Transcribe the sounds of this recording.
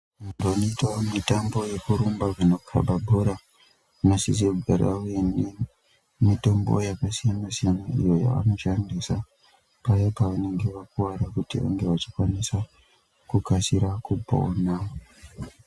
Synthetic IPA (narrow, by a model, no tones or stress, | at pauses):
mumdonoitomitambo̞je̞kuɾumbavunokʰa̰ɓʱabʱoɾa | unosisiakuɡʱaraweni | mito̞mbo̞̰jakasijanasijanaḭjo̞ja̰ʋa̰no̞t͡ʃandisa | pajopaʋane̞ŋɡe̞ʋakuwaɾakutiʋa̰ŋɡe̞ʋat͡ʃi̥kwanisa | kukasiɾakubʱa̰o̰nao